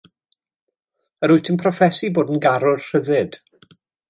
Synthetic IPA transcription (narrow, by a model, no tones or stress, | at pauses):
əɾʊjtʰɪnpʰrɔfɛsiboːdən̩ɡaɾʊrr̥əðɪd̥